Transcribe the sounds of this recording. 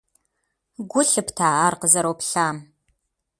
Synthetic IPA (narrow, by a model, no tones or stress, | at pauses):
ɡʷʊɬɨptʰaːʔaːrqəzɐɾowpɬaːm